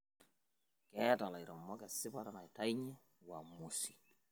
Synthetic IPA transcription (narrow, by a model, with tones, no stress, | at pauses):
kɛ˦ta˨la˨jɾɔ˨mːɔ˦kɛ˨sɪ˦pa˦ta˦na˨jta˦jɲɛ˦ | wa˨mu˨si̥˨